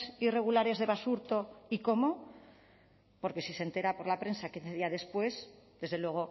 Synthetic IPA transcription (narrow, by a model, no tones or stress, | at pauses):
sire̞ɣ̞ulaɾe̞zðe̞βasuɾt̪o̞iko̞mo̞ | po̞ɾke̞sise̞nt̪e̞ɾapo̞ɾlapɾe̞nsakinθeðiaðe̞spwe̞sd̪e̞zðe̞lwe̞ɣ̞o